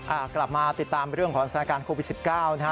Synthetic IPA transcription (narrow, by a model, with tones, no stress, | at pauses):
ʔaː˧˩kla˨˩p̚maː˧t̪i˨˩t̪ːaː˧m˧ɾɯ˥˩əŋkʰɔː˩˦ŋsa˧˩aː˦˧kaː˧nkʰoː˧wt̪̚si˨˩p̚kaː˥˩wna˦˥